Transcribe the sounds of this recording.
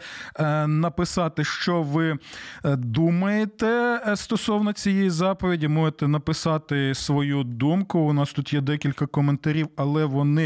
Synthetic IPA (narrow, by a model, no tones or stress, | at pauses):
nɐpɪsɑt̪ɪʃt͡ʃɔʋɪ | d̪umɐjet̪ɛst̪ɔsɔwnɔt͡sʲijɛjizɑpɔʋʲidʲimɔʒet̪ɛnɐpɪsɑt̪ɪsʋɔjud̪umkʊːnɑst̪ut̪jɛd̪ɛkʲilʲkɐkɔment̪ɐɾʲiwɐlˠɛʋɔnɪ